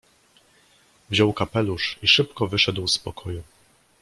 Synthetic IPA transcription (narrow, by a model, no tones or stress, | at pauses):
vʑɔwkapɛluʂiʂɘpkɔvɘʂɛd̪wspɔkʰɔju